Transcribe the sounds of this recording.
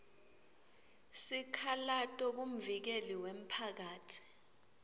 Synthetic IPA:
sikʰalatʼɔk̬um̩vik̬eliwem̩pʰak̬aːtʰi̥

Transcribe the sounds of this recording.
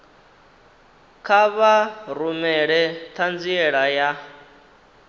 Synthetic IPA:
kʰaβaɾumɛɺɛt̪ʰand͡ziɛɺaja

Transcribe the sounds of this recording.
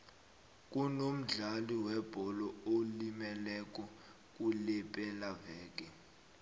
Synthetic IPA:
k̬ʼunom̩ɮaliwɛb̥ʱɔlɔolimɛlɛk̬ʼɔ | k̬ʼulɛpʼɛlavɛːk̬ʼɛ

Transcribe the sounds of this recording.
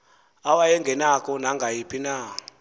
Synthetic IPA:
awajɛŋɡʱɛnakɔn̤aŋɡʱajipinaː

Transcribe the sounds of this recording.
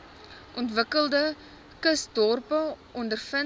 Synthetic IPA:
ʔɔntvəkəlˠdə | kəsdɔrpəʔɔndərfə

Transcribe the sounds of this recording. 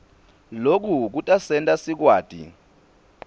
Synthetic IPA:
lok̬uk̬utʼasɛntʼasik̬waːd̥ʱḭ

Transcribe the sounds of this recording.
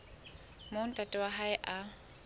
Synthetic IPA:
mon̩tʼatʼɛwaɦaɪʔa

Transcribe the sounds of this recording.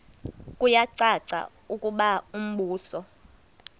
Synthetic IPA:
kʼujaǀaǀa̰ | ukʼuɓaum̩ɓuːsɔ

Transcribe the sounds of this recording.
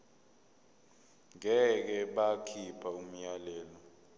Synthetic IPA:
ŋɛk̬ɛɓakʰipʰaum̩jalɛːlɔ

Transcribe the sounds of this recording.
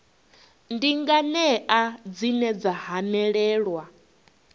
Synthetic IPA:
ndiŋɡanɛʔad͡zinɛd͡zahanɛɺɛːɺwa

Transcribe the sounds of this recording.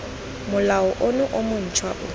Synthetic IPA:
mʊlaɔʔonʊʔomʊn̩t͡ʃʰwaʔʊ

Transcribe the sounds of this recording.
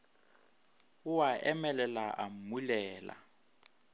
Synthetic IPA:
uwaɛmɛlɛlaʔamulɛːla̰

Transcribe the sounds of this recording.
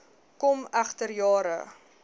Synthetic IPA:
kɔmæχtərjɑːɾə̰

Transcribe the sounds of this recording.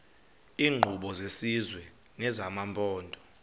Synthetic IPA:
iːŋ͡ǃʱuɓɔzesizwɛnɛzamampʼɔːndʱʼɔ

